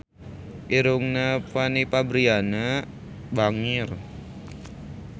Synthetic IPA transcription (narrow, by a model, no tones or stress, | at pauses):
piɾuŋnapanipabɾiana | baŋɪr